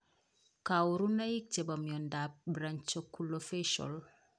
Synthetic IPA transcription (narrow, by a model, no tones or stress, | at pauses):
kawuɾunajik̚tebamjɔndap̚bɾaɲt͡ʃokulofeʃɔ̰l